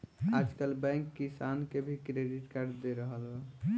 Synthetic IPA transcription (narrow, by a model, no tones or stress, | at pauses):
ad͡ʒkəlbɛ̃ŋkːisankebʱikɾeɖiʈkaɾɖd̪eɾəɦəlɦo